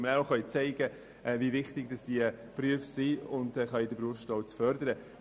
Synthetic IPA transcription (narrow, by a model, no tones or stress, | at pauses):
məɾaχœʏt͡sɛɪɡ̥ə | ʔɛvivɪχtɪɡ̥d̥ɑsd̥iəpryəfsiʊndɛχœjdəpruəfsʃtɔwt͡sfœɾdəɾə